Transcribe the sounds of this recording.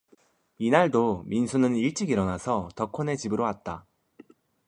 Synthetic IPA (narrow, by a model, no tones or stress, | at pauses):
inaɭdominsʰunɯniɭt͡ɕ͈iɡiɾʌnasʰʌtʌkʰone̞t͡ɕibɯɾowat̚t͈a